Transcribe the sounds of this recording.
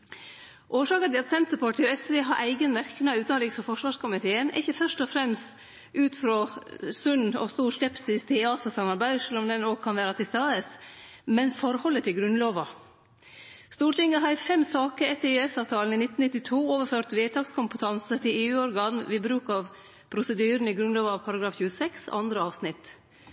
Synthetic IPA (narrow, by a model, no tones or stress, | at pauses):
ʔoːʂɑːkənt̪ɪlɑt̪sɛnt̪əpʰɑʈɪoɛseːɦɑɾʔæɪɡənmæɾknɑʉːɑnɾiːksɔfɔʂʋɑːʂkʰʊmɪt̪ʰeːənʔɪ̰çəfœʂʈɔfɾɛmst̪ | ʔʉːt̪fɾosʉnɔ̰st̪uːɾskɛpsɪst̪ʰɪlɑːsɑsɑmːɑɾbæɪʂɛlːɔmd̪ɛnoːkʰɑnʋæːɾɑt̪ʰɪst̪ɑːd̪əsmɛnfɔɾhɔlːət̪ʰɪlɡɾʉnloːʋɑ | st̪uːʈɪŋːəɦɑɾfɛmsɑːkəɾɛt̪ːəɾɛsɑːʋt̪ʰɑːln̩inɪt̪ːn̩ɪt̪ːɪt̪ʰuːoːʋəɾføːɾt̪ʋeːt̪ʰɑːkskʊmpət̪ʰɑnsət̪ʰɪleːʉːɔɾɡɑːnʋɪbɾʉːkɑʋ | pʰɾʊsəd̪yːɾənəɪɡɾʉnloːʋɑʋpʰɑɾɑɡɾɑːfçʉːəsɛksɔ̰ʔɑnd̪ɾəɑːʋsnɪt̪